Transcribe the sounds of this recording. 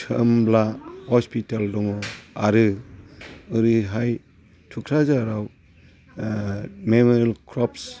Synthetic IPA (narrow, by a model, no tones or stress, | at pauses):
tʰəmblahɔspʰitaldɔmɔaɾɯ | ɯɾɯɦaj | tʰukʰɾazaɾaw | memɔɾilkʰɾɔps